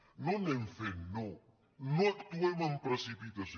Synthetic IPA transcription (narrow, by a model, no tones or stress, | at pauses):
nonemfenːo | noɐk̚t̪uemɐmpɾɐsipit̪ɐs